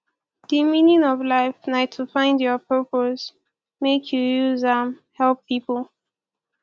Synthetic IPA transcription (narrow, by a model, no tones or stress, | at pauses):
d̥imĩnĩnɔvlaɪfnatʰufãɪ̃ndjɔpʰɜpos | mekʰjujuzamhɛlˠpʰːipəlˠ